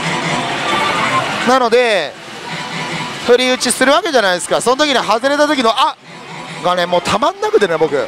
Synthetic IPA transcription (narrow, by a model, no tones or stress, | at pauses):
nano̞d̪e̞ | t̪oɾʲiɯ̟t͡ɕisɨɾɯ̟βake̞ʑanaid̪e̞sɨ̥kaso̞not̪okʲiɲ̟iɦazɨɾe̞t̪at̪o̞kʲino̞ʔa | ɡane̞mo̞ːt̪ʰamãnːakɯ̟t̪e̞ne̞bo̞kɯ̟̰